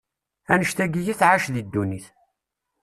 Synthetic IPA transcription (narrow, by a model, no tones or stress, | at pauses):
ænəʃt̪æɡijiθʕaʃðid̪ːuniθ